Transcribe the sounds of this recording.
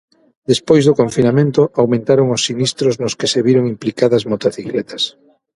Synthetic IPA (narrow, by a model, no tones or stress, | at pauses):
d̪espojzðʊkoɱfinamẽnt̪ʊʔawmẽnt̪aɾoŋʊsːinist̪ɾʊznʊskeseβiɾoŋimplikaðɐzmot̪oθiklɛt̪ɐs